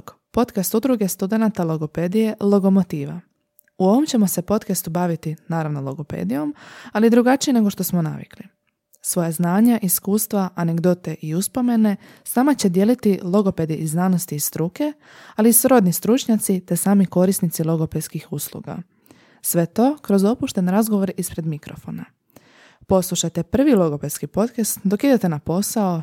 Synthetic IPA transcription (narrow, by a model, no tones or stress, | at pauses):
k | po̞t̪kast̪ud̪ɾuɡe̞st̪ud̪e̞nat̪alˠo̞ɡo̞pe̞d̪ije̞lˠo̞ɡo̞mo̞t̪iːʋa̰ | uo̞ʋo̞mt͡ɕe̞mo̞se̞po̞t̪kast̪ubaʋit̪inaːɾaʋno̞lˠo̞ɡo̞pḛːd̪ijo̞malid̪ɾuɡat͡ʃiene̞ɡo̞ʃt̪o̞smo̞na̰ʋḭkli | sʋo̞jaznaːɲaʔiskuːst̪ʋaʔaneɡd̪o̞t̪e̞ʔiuspo̞me̞ne̞ | snamat͡ɕe̞d̪je̞lit̪ilˠo̞ɡo̞pe̞d̪iiznaːno̞st̪iːst̪ɾuke̞ | aliisɾo̞d̪nist̪ɾut͡ʃɲat̪sit̪e̞saːmiko̞ɾisnit̪silˠo̞ɡo̞pe̞d̪skixuslˠṵɡa̰ | sʋe̞t̪o̞ːkɾo̞zo̞puʃt̪e̞nɾazɡo̞ʋo̞ɾispɾe̞d̪mikɾo̞fo̞̰na | po̞slˠuʃajt̪e̞pr̩ʋilo̞ɡo̞pe̞skipo̞t̪kast̪d̪o̞kid̪et̪e̞napo̞sao